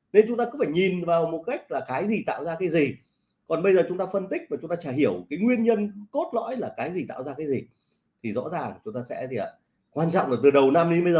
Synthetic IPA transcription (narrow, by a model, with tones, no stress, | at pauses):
ne˧nt͡ɕʊ˨˦ŋ͡mt̪aː˧kʊ˧˥ŋ͡mfaː˧˩jɲi˨˩nvaː˨˩wmo˨˩t̚ka˦˥jk̟̚laː˨˩kaː˨˦jzi˨˩t̪a̰ː˧˨wzaː˧kaː˨˦jzi˨˩ | kɔ˨˩nɓə˧jzəː˨˩t͡ɕʊ˨˦ŋ͡mt̪aː˧fə˧nt̪ï˦˥k̚maː˨˩t͡ɕʊ˨˦ŋ͡mt̪aː˧t͡ɕaː˧˩jhi˧˩əwkaː˨˦jŋwi˧ənɲə˧nt̪o˦˥t̚lɔ̰˧˥jlaː˨˩kaː˨˦jzi˨˩t̪a̰ː˧˨wzaː˧kaː˨˦jzi˨˩ | t̪ʰi˨˩zɔ̰˧˥zaː˨˩ŋt͡ɕʊ˨˦ŋ͡mt̪aː˧sɛ̰˧˥˨ | kwaː˧nt͡ɕɔ̰˧˨ŋ͡mlaː˨˩t̪ɨ˨˩ɗə˨˩wna˧mɗi˧ɓə˧jzəː˨˩